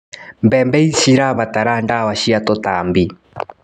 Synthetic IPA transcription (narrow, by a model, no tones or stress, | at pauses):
mbɛmbɛiʃiɾaβataɾandawaʃiatotambi